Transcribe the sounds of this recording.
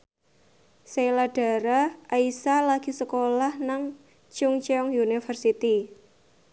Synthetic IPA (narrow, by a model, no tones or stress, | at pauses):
sejlaɖ̥a̤ɾaaisalaɡ̥i̤səkolahnaŋ | t͡ʃʊŋt͡ʃɔŋjunifərsit̪i